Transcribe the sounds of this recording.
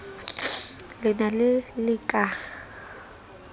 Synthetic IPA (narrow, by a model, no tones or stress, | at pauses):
lɪnalɪlɪkʼaːɣa